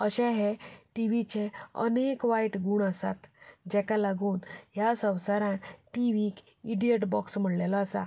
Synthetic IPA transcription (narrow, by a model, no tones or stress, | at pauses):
əɕɛ̃ɦeʈiʋit͡ɕeə̰nekʋajʈɡuːɳəsa̰t̪d͡ʑɛkalaɡuːnjasə̃wsaɾãʈiʋiːk | iɽieʈbɔksm̤əɽlɛlaəsa̰